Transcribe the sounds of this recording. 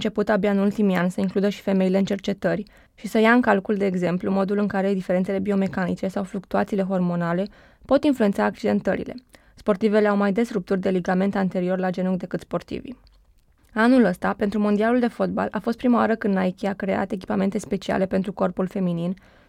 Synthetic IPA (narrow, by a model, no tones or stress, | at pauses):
nt͡ʃe̞put̪abjaɨnult̪imianʲsəiŋklud̪əʃi̥fe̞me̞ile̞ɨnt͡ʃe̞rt͡ʃe̞t̪ərʲ | ʃisəjaɨŋkalkuld̪e̞ːɡze̞mplumo̞d̪ulɨŋkaɾe̞d̪ife̞ɾent̪sele̞bio̞me̞kanit͡ʃe̞sawflukt̪uat̪siːle̞ɦo̞rmo̞nale̞ | po̞t̪influent̪saːk̚t͡ʃid̪e̞nt̪ə̰ɾḭle̞̰ | spo̞rt̪ive̞le̞awmajd̪e̞srup̚t̪urʲd̪e̞liɡame̞nt̪ant̪e̞ɾio̞rlad͡ʒe̞nukd̪e̞kɨt̪spo̞rt̪ḭvḭ | anuləst̪apent̪ɾumo̞nd̪ialuld̪e̞fo̞t̪̚ba̰lʔafo̞st̪̚pɾimaoaɾəkɨnnaekʲeakɾe̞a̰t̪e̞k̬ʲi̥pame̞nt̪e̞spe̞t͡ʃia̰le̞pe̞nt̪ɾuko̞rpulfe̞minin